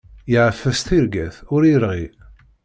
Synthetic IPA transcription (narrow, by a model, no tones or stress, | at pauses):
jəʕəfːæsθiɾɡæθʊɾiəɾʁi